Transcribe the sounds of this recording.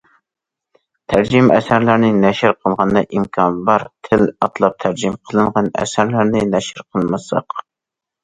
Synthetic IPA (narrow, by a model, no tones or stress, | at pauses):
t̪ʰæɾd͡ʒimɛ̰sæɾlæɾnɪnɛʃɪɾqʰəlˠʁɑnd̪ɑʔimkʰɑnbɑɾt̪ʰɪlɑt̪ʰlˠɑp̚t̪ʰæɾd͡ʒimqʰəlˠɨɴʁɑnɛ̰sæɾlæɾnɪnɛʃɪɾqʰəlˠmɨsɑ̰q